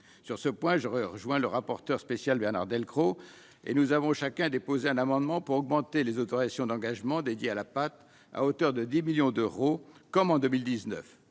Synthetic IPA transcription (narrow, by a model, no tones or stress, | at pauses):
syʁsəpwɛ̃ʒəʁəʁəʒwɛ̃ləʁapɔʁt̪œʁspesjalbɛʁna̰ʁd̪ɛlkχo | ḛnuzavɔ̃ʃakɛ̃d̪epozeɛ̃namɑ̃d̪mɑ̃puʁɔɡmɑ̃t̪elezot̪ɔʁizasjɔ̃d̪ɑ̃ɡaʒmɑ̃d̪ed̪jealapat̪ | a̰ot̪œʁd̪əd̪imiljɔ̃d̪øʁokɔmɑ̃d̪əmild̪iznə̰f